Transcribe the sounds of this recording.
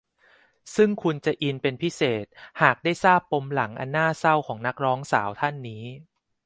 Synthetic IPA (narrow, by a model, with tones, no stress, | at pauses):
sɯ˥˩ŋkʰu˧nt͡ɕa˨˩ʔi˧npe˧npʰi˦˥seː˨˩t̪̚haː˨˩k̚daː˥˩jsaː˥˩pːo˧mla˩˦ŋʔa̰˧nːaː˥˩sa˥˩wkʰɔː˩˦ŋna˦˥k̚ɾɔː˦˥ŋsa̰ː˩˦wt̪ʰa˥˩nːiː˦˥